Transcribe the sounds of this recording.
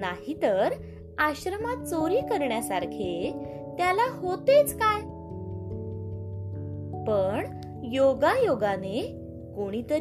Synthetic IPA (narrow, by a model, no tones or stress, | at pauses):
naɦit̪əɾ | aɕɾəmat̪̚t͡soɾiːkəɾɳjasaɾkʰe | t̪jalahot̪et͡skaj | pəɳ | joɡajoɡane | koɽ̃iːt̪əɾ